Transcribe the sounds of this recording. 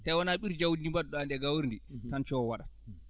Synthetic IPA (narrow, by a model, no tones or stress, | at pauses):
tajwɔnaɓiɾd͡ʒawndimbaɗɗɔandɛɡawuɾnditant͡ʃɔɔwaɗa